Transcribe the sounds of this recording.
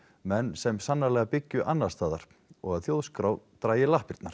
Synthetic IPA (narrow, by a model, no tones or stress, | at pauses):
mɛnːsɛmsanːalɛɣapɪcːʏʔanːast̪aːðaɾ̥ | ɔɣaðθjoːwðskɾawt̪ɾaːjɪlahpɪɾt̪naɾ̥